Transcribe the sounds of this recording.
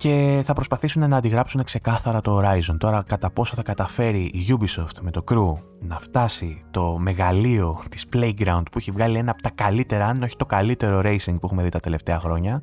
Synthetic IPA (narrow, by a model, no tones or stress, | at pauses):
ce̞θɐpɾospɐθisune̞nɐːnd̪iɣɾɐpsune̞kse̞kɐθɐɾɐt̪o̞ːɾɐizont̪o̞ɾɐkɐt̪ɐpo̞soθɐkɐt̪ɐfe̞ɾiʔːʝubiso̞ft̪me̞t̪o̞kɾu | nɐft̪ɐsit̪o̞me̞ɣɐlio̞t̪i̥sple̞jɡɾɐund̪̚pueçivɣɐlie̞nɐpot̪ɐkɐlit̪e̞ɾɐɐnino̞çi̥t̪o̞kɐlit̪e̞ɾo̞ɾe̞jsiŋɡpuexume̞ðit̪ɐt̪e̞le̞ft̪e̞ɐxɾo̞ɲɐ